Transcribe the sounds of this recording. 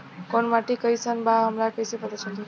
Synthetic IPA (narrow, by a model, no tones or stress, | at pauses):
konmaʈikəjsənbaɦəmɾakəjsepət̪at͡ʃʰək